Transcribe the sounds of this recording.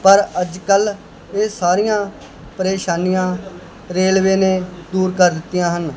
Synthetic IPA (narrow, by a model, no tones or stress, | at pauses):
pəɾəd͡ʒkəl | eːsaːɾijãː | pəɾeːʃaːnijãː | ɾeːlʋeːnẽːd̪uːɾkəɾd̪ɪt̪ːɪjãːɦən